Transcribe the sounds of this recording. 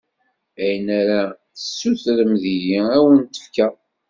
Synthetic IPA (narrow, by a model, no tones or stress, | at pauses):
æjənæɾa | θəsːuθɾəmðijiæwənt̪ːə̥fkæ